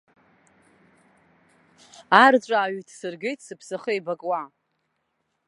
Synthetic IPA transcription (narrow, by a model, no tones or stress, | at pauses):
art͡ɕʷʼaːɥitʰsɨrɡe̞jtʰʼsɨpʰsɨχəjbakʼwa